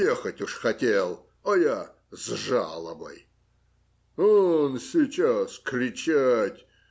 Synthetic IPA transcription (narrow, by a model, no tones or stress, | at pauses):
jɛxɐtʲuʂxɐtʲelˠ | ɐja | zʐa̰lˠəbɐ̰j | onsʲit͡ʃaskɾʲɪt͡ʃatʲ